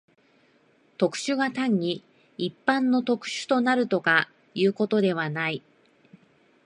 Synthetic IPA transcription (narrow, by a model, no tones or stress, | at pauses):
t̪o̞kɯ̟̥ɕɨɡat̪ãɲ̟ːiː | pːãnːo̞t̪o̞kɯ̟̥ɕɨ̥t̪o̞naɾɯ̟t̪o̞ka | jɯ̟ːko̞t̪o̞d̪e̞β̞anai